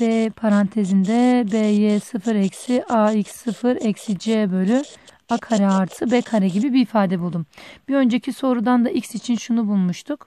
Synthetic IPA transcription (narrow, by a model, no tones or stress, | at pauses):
b̥epʰaɾant̪ʰezind̪ɛbejesɯfɯɾɛcsiʔaicsːɯfɯɾɛcsid͡ʒebølʲy | akʰaɾɛaɾt̪ʰɯbɛkʰaɾɛɟibibiːfaːd̪ɛbulˠd̪umbiø̞nd͡ʒecʰiso̞ɾud̪and̪aʔicsit͡ʃʰinʃunubulˠmuʃt̪ʰuk